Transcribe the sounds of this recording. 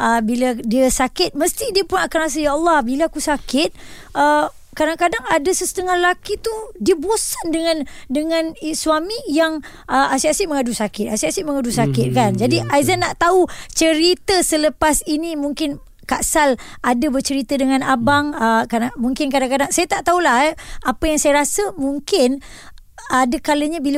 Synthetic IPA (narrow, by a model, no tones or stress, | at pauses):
ʔəbiladiəsakɪt̪̚məst̪idiəpʊnakanas̬əjaɑlˠːɑhbilakusakɪt̪̚ | ʔə | kadaŋkadaŋadasəsə̥t̪əŋahlakit̪udiəbosəndəŋãndəŋãniswamijaŋ | ʔəʔasiasiʔməŋadusakɪt̪̚asiasiʔməŋadusakɪt̪̚kand͡ʒadiʔajzanːaʔt̪aut͡ʃəɾit̪əsələpasinimuŋkɪn | kaʔsal | ʔadabərt͡ʃəɾit̪ədəŋãnabaŋəkadamuŋkɪnk̬adaŋkadaŋsajat̪aʔt̪aulaɦʔapəjaŋsajaɾasəmuŋkɪn | adəkaləɲabil